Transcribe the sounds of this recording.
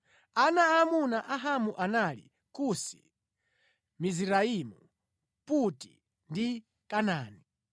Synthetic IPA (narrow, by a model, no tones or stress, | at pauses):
anaːmunaʔaɦamuʔanalḭ | kusi̥̰ | miziɾaimu | puti̥̰ | ndi | kanaːni